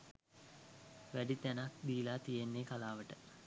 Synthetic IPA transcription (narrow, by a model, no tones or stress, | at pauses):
ʋæɖit̪ænakd̪iːlaːt̪ijenːekalaːʋəʈə